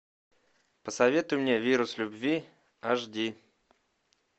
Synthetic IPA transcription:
pəsɐvʲet̪ʊjʊmnʲevʲiɾʊslʲʊbvʲi | aʐdʲi

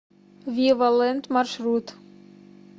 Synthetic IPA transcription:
vʲivalˠɛnt̪marʃrut̪

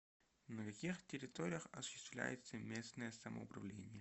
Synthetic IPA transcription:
nəkɐkʲixtʲɪɾʲɪt̪oɾʲɪjəxɐsʊ̥ɕːɪ̥st̪vlʲæ̰jɪt̪səmʲe̞snəjəsəmə̰ʊpɾɐvlʲenʲɪjə

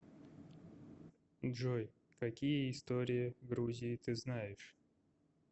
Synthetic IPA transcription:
dʐoj | kɐkʲijəɪst̪oɾʲɪjɪɡɾuzʲɪjɪt̪ɨznajɪʂ

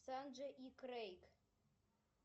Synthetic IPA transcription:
sand͡ʒʷaʔikʼrejkʰʼ

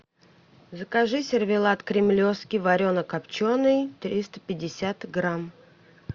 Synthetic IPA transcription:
zəkaʐɨsʲɪrvʲɪlˠat̪kɾʲɪmlʲofskʲɪvɐɾʲonəkapt͡ɕonɨjt̪ɾʲist̪ə̥pʲɪdʲɪsʲat̪ɡɾam

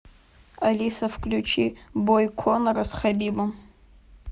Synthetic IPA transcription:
alʲisɐfklʲut͡ʃʰibojkʷʰonɐɾɐsχabʲibɐm

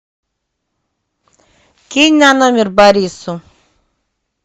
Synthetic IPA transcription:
kinʲanomʲirbaɾʲisu

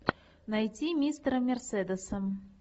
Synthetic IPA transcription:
najt͡sʲimʲist̪ɾɐmʲɛrsɛd̪ɛsɐm

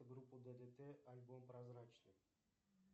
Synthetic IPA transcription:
ɡɾupːud̪əd̪et̪ɛʔɐlʲbompɾɐzɾat͡ʃnɨ

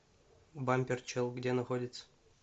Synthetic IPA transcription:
bamʲpʲert͡ɕɨlˠɡdʲenɐxodʲɪt̪sə̥

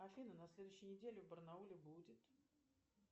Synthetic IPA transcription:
ɐfʲinənɐsʲlʲed̪ʊɕːɪjnʲɪdʲelʲɪvbərnaulʲɪbudʲɪt̪

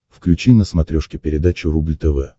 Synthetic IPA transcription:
fklʲʉt͡ɕinəsmɐt̪ɾʲoʂkʲɪpʲɪɾʲɪd̪at͡ɕʊɾublʲt̪ɛvɛ

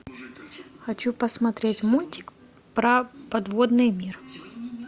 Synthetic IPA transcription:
xɐt͡ɕupəsmɐt̪ɾʲetʲmulʲtʲɪ̥k | pɾɐpɐd̪vod̪nɨjmʲir

